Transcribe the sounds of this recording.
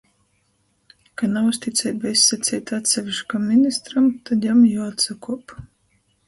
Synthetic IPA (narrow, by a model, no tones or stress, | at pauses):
kanavusʲt̪ʲit̪sʲɛjbɛisːɛt̪sʲɛjt̪ʲat̪ʲsʲɛvʲiʃkamːinist̪ɾamt̪ad̪ʲjamjaat̪sakuɔp